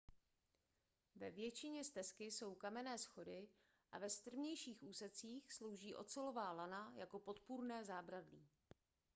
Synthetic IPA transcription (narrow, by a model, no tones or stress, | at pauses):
vɛvjɛt͡ʃɪɲɛst̪ɛskɪso̞wkamɛnɛːsxo̞dɪ | ʔa̰vɛst̪r̩vɲɛjʃiːxʔuːsɛt͡siːxslo̞wʒiːʔo̞̰tt͡sɛlo̞vaːlanajako̞pot̪puɾnɛːzaːbɾadliː